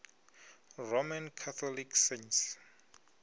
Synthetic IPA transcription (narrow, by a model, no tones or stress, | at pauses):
romãnkʰat̪ʰɔlikʰsens